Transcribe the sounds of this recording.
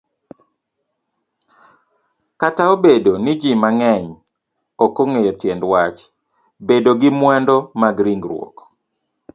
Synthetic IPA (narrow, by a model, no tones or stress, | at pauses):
kataobedonɪd͡ʒimaŋɛɲ | okoŋejɔtjɛndwat͡ʃ | bedoɡɪmwɛndɔmaɡɾiŋɡɾwɔ̰k